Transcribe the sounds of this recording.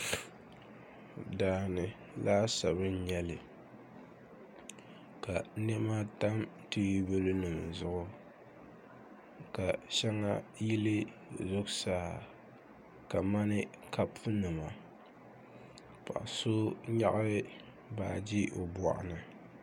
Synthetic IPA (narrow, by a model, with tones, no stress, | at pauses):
daː˦nɨ˨ | laː˦sa˨βɨ˦n˦ɲɛ˦lɨ˨ | ka˨nɛ˦ma˦ta˦mti˦i˦bɨ˦lɨ˦nɨ˨m˨zʊ˦ʔʊ˦ | ka˨ʃɛ˦ŋa˦ji˦lɨ˦ | zʊ˦ksaː˦˨ | ka˨ma˦nɨ˦ka˦pɨ˦nɨ˨ma˨ | pa̰˨ʔso˦ɲa˦ʔa˦bɨ˦ | baː˨d͡ʒi˦ʔo˨bɔ̰˨ʔa̰˨nɨ˨